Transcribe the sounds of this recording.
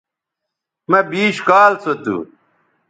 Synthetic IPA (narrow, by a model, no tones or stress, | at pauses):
mɐbiːɕkaːlsot̪ṵ